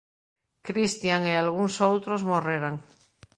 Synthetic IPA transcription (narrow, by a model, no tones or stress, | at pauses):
kɾist̪jaŋealɣ̞uŋsowt̪ɾozmoreɾaŋ